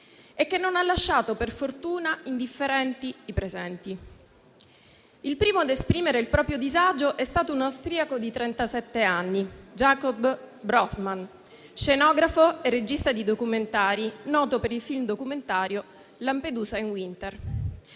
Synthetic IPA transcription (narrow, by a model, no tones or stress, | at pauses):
ekːenːonalːaʃːaːt̪operfort̪uːnaind̪ifːeɾɛnt̪iipɾezɛnt̪i | ilpɾiːmoad̪espɾiːmeɾeilpɾɔːpɾjod̪izad͡ʒoʔɛst̪aːt̪ounawst̪ɾiakod̪it̪ɾɛnt̪asɛt̪ːeanːid͡ʒakɔbː | ɾɔsman | ʃenɔːɡɾafoerːed͡ʒist̪ad̪id̪okument̪aːɾinɔːt̪opeɾilfilmd̪okument̪aːɾjo | lamped̪uːzainwint̪er